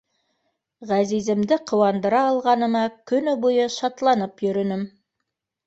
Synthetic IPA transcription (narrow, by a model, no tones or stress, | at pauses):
ʁæzizɘ̆md̪ɘqʰŏwɑnd̪ɤ̆ɾɑːlˠʁɑnɤ̆mɑkɵ̆nɵbujɤʃɑt̪lˠɑnɤpjɵ̆ɾɵ̆nɵm